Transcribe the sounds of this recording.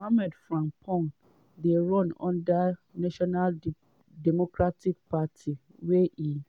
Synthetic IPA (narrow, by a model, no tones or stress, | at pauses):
hamɛdfɾãmpʰɔ̃ŋ | deɾɔ̃nɔ̰̃ndanaʃɔnal | dɛmokʰɾatʰik̚pʰatʰi | weʔi